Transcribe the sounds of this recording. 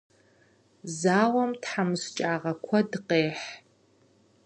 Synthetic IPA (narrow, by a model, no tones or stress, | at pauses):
zaːwɐmtħamzt͡ʃʼaːʁɐkʷʰɔdɨqeːħ